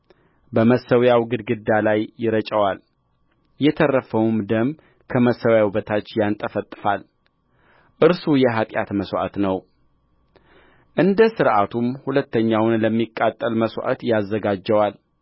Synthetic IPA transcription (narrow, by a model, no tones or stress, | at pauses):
bəməsəwjawɡɨd̪ɡɨd̪ːalajːɪɾət͡ʃʼəwal | jɛt̪ʰərəfəwmd̪əm | kʰəməsəwjawbət̪ʰat͡ʃːjant̪ʼəfət̪ʼːɨfal | ʔɨɾsujɛɦat̪ʼja̰t̪məswa̰t̪nəw | ʔɨnd̪əsɨɾʔat̪ʰumhulət̪ʰːəɲːawnləmːikʼːat̪ʼːəlməswʔa̰t̪jazːəɡad͡ʒːəwal